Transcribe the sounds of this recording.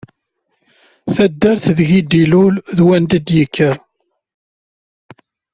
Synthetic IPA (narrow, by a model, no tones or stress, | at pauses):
θæd̪ːəɾθðʝid̪ilulðwænd̪əd̪jəkʰːəɾ